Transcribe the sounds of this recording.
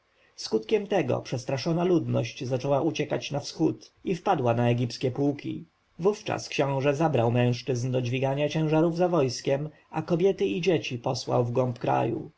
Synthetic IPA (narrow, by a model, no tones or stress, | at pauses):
skut̪kʲɛmt̪ɛɡɔ̰pʂɛst̪ɾaʂɔnalud̪nɔɕt͡ɕzat͡ʂɛwaʔut͡ɕɛkat͡ɕnafsxut̪ifpad̪wanaɛɡʲipskʲɛpuwkʲḭ | vuft͡ʂa̰skɕɔ̃w̃ʐɛzabɾawmɛ̃w̃ʂt͡ʂɘznd̪ɔd͡ʑvʲiɡaɲat͡ɕɛ̃w̃ʐaɾuvzavɔjskʲɛm | akɔbʲjɛt̪ɘid͡ʑet͡ɕipɔswa̰wvɡɔmpkɾa̰jṵ